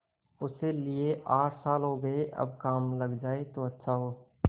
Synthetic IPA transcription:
ʊselieʔaːʈsaːlɦoːɡɐeʔɐ̰b̚kaːmlɐɡd͡ʒaːet̪oɐtːʃʰaɦoː

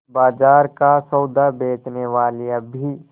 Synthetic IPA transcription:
baːd͡ʒaːɾkasɔwd̪ʱabeːʈneʋaːliabʱi

